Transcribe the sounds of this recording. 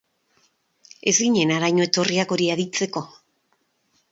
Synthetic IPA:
e̞zɡiɲe̞naɾajɲoe̞t̪o̞riako̞ɾiaðit͡se̞ko̞

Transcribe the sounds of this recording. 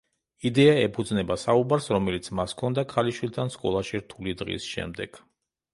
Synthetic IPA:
id̪ɛaɛpʰud̪znɛbasaubaɾsɾɔmɛlit̪sʰmaskʰɔnd̪akʰaliʃwilˠt̪ʰanskʼɔ̰lˠaʃiɾt̪ʰulid̪ʁḭsʃɛ̰md̪ɛɡ̥

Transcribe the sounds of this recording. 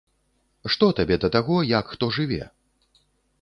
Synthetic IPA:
ʂt̪ɔt̪abʲɛd̪ɐt̪aɣɔjɐkxt̪ɔʐɨvʲɛ̰

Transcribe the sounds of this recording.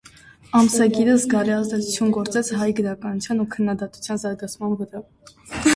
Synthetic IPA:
ɑmsɑɡiɾəzɡɑriɑzd̪ɛt͡sʰu̥t͡sʰjunɡɔɾt͡sɛt͡sʰɦɑjɡəɾɑkɑnut͡sʰjɑnukʰənːɑd̪ɑt̪u̥t͡sʰjɑnzɑɾɡɑt͡sʰmɑnvəɾɑ

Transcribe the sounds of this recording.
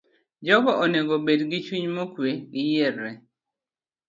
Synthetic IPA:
d͡ʒɔbɔʔoneɡobedɡit͡ʃuɲmokweɡɪjerːɛ

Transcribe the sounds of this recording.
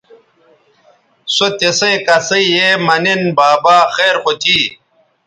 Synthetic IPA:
sot̪esekɐsɐijemɐnenbaːbaːxeːɾxot̪ʰiː

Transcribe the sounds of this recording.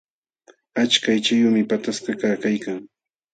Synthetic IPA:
at͡ʃkajt͡ʃajʊmɪpat̪askakaːkajkaŋ

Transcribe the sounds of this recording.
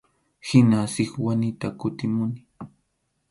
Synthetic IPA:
hɪnasɪkwanɪt̪akʊt̪ɪmʊnɪ̥

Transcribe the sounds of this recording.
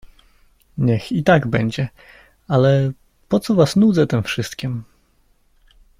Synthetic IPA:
ɲɛxit̪aɡbɛɲd͡ʑɛ | alɛ | pɔt̪sɔvasnud̪zɛt̪ɛmfʂɘst̪kʲim

